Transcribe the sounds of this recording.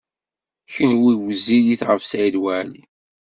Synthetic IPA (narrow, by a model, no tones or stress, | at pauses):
çənwiwziðiθʁəvsæðwæli